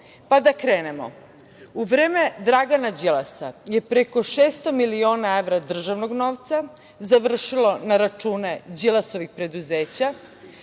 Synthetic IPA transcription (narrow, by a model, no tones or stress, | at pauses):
pad̪akɾeːne̞mo̞̰ | uʋɾeːme̞d̪ɾaɡanad͡ʑilˠasa̰je̞pɾeko̞ʃeːst̪o̞milioːnaeʋɾad̪r̩ʒaʋnoɡno̞ːʋt̪sa | zaʋr̩ʃilo̞naɾat͡ʃuːne̞d͡ʑilˠaso̞ʋixpɾe̞d̪uzeːt͡ɕa